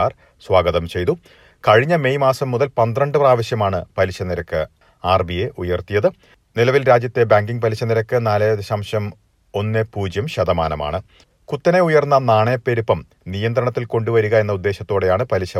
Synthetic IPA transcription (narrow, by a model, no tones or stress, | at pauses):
aːr | swaːɡɐðɐmt͡ɕe̞jt̪u | kɐɻiɲːɐme̞jmaːsɐmːuðɐlpɐnd̪rɐɳɖɨpraːʋɐɕjɐmaːɳɨpɐliɕɐniɾɐkːɨ | aːrbijeʔujɐrt̪ijɐðɨ | nilɐʋilɾaːd͡ʑjɐt̪ːe̞baːŋɡiŋɡpɐliɕɐniɾɐkːɨnaːleɐɕɐmɕɐm | o̞nːepuːd͡ʑjɐmɕɐðɐmaːnɐma̰ːɳɨ | kut̪ːɐne̞ujɐrnːɐnaːɳepːe̞ɾupːɐm | nijɐnd̪ɾɐɳɐt̪ːilko̞ɳɖuʋɐɾuɣɐe̞nːɐud̪ːe̞ːɕɐt̪ːoːɽe̞jaːɳɨpɐliɕɐ